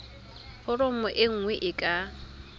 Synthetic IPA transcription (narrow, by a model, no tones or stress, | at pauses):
hʊrʊmʊʔɪŋ̩ŋwɛʔɪkʼa